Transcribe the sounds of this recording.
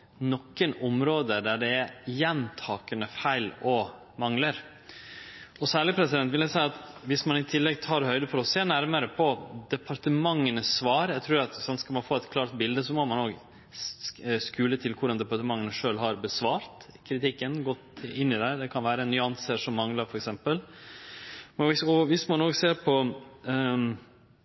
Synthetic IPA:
nɔkːənɔmɾoːd̪əɖ̪æɖɛɛjɛnt̪ʰɑːkənəfæɪlɔ | mɑŋləɾ | ɔsæːɭɪpʰɾɛsɪd̪ɛnt̪ʋɪljæɪsæɪɑt̪ʋɪsmɑnɪt̪ʰɪlːɛɡt̪ʰɑːɾhœʏd̪əfɔɾɔseːnæɾməɾəpʰɔd̪ɛpʰɑɾʈ̪əmɑŋːənəsʋɑːɾæt̪ʰɾʉːɾɑt̪sɑnt̪skɑlmɑnfoːɛt̪kʰlɑːɾt̪̚bɪld̪əsɔmɔmɑnoːɡ | skʉːlət̪ʰɪlkʰʊɾɖɑnd̪ɛpɑʈ̪əmɑŋːənəʂøːlɦɑɾbəsʋɑːɾt̪ | kʰɾɪt̪ɪkːənɡɔt̪ɪnːɪd̪ɛd̪ɛkʰɑnʋæːɾəɛnnːʏɑnsəʂɔmːɑŋlɑɾfɔɾɛksɛmpəl | mɪɔʋɪsmɑnːoːɡseːɾpʰɔ

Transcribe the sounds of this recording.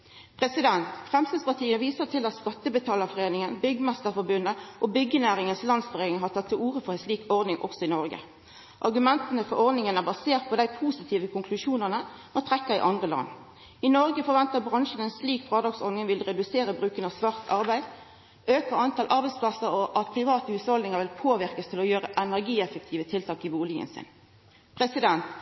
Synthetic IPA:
pʰʁɛsɪd̪ɛnt̪fʁɛmst̪ɑːspɑʁt̪ʰiːəʋiːsəʁt̪ʰɪlɑt̪skɑt̪ːəbət̪ʰɑːləfɔʁeːnɪŋənbʏɡəmæst̪əʁfɔʁbʉnəʔobʏɡːənæːʁɪŋənslɑnsfɔʁeːnɪŋɦɑt̪ʰɑt̪ʰːɪluːʁəfɔʁæɪnsliːkɔʁd̪nɪŋʔɔ̰ksɔɪnɔʁɡə̰ | ʔɑʁɡʉmɛnt̪ənəfɔɾɔʁd̪nɪŋənæbɑseːʁt̪̚pʰɔd̪æɪpʰuːsɪt̪ʰiːʋəkʰʊŋkʰlʉʃuːnəʁnəmɔt̪ʰʁɛkːəʁɪ̰ʔɑnd̪ʁəlɑ̰nː | ɪnɔʁɡəfɔʁʋɛnt̪əʁbʁɑŋʃən̩ɛnsliːkfʁɑːd̪ɑːɡsɔʁnɪŋʋɪlʁɛd̪ʉseːɾəbʁʉːkənəɑʋsʋɑʁt̪ʰɑʁbæɪd̪ | øːkəʁɑnt̪ʰɑlʔɑɾbæɪspʰlɑsəɾɔʔɑt̪̚pʰʁɪʋɑːt̪əhʉːshɔld̪ɪŋəʁʋɪlpʰoːʋɪʁkəst̪ʰɪlɔjøːʁəʔɛnæʁɡiːɛfək̚t̪ʰiːʋət̪ʰɪlt̪ʰɑːkɪbuːlɪɡə̰nsɪ̰n | pʰʁɛsɪd̪ɛnt̪

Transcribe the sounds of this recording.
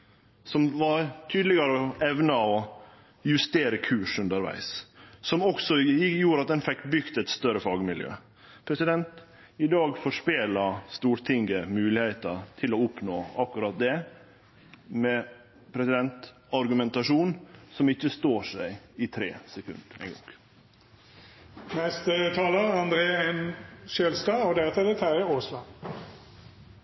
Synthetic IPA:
sɔmʋɑɾt̪ʰyːd̪lɪɡɑɾəɔɛʋnəɔ | jʉst̪eːɾəkʰʉːʂʉnd̪əɾʋæ̰ɪssɔmɔksɔɪjuːɾɑt̪̚d̪ɛnfɛkːbʏɡt̪ɛt̪st̪œɾəfɑːɡmɪljø̰ː | pʰɾɛsɪd̪ɛnt̪ | ɪd̪ɑːɡfɔʂpeːlɑst̪uːɾʈ̪ʰɪŋɡəmʉːlɪhɛɪt̪ət̪ʰɪlɔʊpnoːɑkːʉɾɑt̪̚d̪ɛ | mɛ | pʰɾɛsɪd̪ɛnt̪ | ɑɾɡʉmɛnt̪ɑʂuːnsɔmɪçːəst̪oːʂæɪɪt̪ʰɾeːsɛkʰʉ̰nd̪æ̰ɪŋɡɑ̰ŋ | nɛst̪ət̪ʰɑːləɑnd̪ɾeːɛnʃeːlst̪ɑːɔd̪ɛɑt̪ɛd̪ɛt̪ʰæɾəoːslɑ

